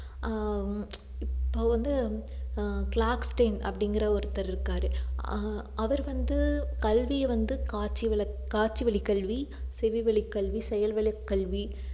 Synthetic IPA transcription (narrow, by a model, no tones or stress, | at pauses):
ɪpːoːʋɐnd̪ɯ | kɭaːksʈɐɪnɐ̰pːɐɽɪŋɡɪɾɐɔɾɯt̪ːɐɾɪɾɯkːaːɾɯ | ʔɐʋɐɾʋɐnd̪ɯkɐlʋijɐʋɐnd̪ɯkaːt͡ʃːiʋɐɭɐ | kaːt͡ʃːiʋɐɭɪkːɐɭʋisɛʋiʋɐɭɪkːɐɭʋisɛjɐlʋɐɭɪkːɐɭʋi